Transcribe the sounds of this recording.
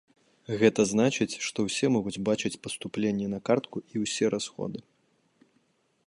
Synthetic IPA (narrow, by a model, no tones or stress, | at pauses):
ɣɛt̪ɐznat͡ʂɨt͡sʲʂt̪ɔwsʲɛmɔɣud͡zʲbat͡ʂɨt͡sʲpɐst̪uplʲenʲːɛnɐkart̪kuiwsʲɛɾʔasxɔ̰d̪ɨ